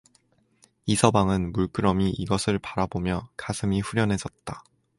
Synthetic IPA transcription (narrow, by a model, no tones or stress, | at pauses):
isʰʌbaŋɯnmuɭk͈ɯɾʌmiʔiɡʌsʰɯɭpaɾabomjʌkasʰɯmiɸuɾjʌnɦe̞sʌt̚t͈a